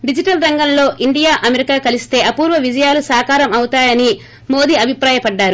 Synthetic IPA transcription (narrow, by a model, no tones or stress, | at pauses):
ɖid͡ʒiʈɐlɾɐŋɡɐnlo̞ːʔiɳɖijaːʔɐmeɾikaːkɐlist̪e̞ːʔɐpuːɾʋɐʋid͡ʒɐjaːlusaːkaːɾɐmɐwut̪aːjɐni | mo̞ːd̪iːɐbʱipɾaːjɐpɐɖːaːɾu